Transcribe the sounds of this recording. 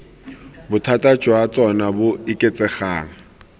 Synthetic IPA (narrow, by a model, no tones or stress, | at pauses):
bʊtʰatʼḁd͡ʒ̥ʱwat͡sʼɔnabʊɪkʼet͡sʼɛχaːŋ̩